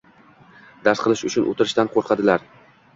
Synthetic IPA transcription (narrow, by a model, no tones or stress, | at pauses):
d̪aɾsqʰɨlɪʃʊt͡ʃʰʊnʔo̰t̪ʰɪɾɪʃt̪anqʰoɾqʰɑd̪ɪlaɾ